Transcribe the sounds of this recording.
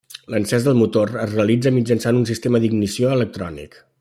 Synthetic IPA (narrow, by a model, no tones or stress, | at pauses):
lənsɛzðəlˠmut̪orəzreəlid͡zəmid͡ʒənsanunsist̪eməd̪iɡnisioələk̚t̪ɾɔ̰nḭk